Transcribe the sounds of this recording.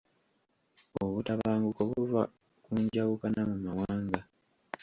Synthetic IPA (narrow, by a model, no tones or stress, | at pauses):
oβutaβaːŋɡukoβuva | kuɲɟawukanamumawaːŋɡa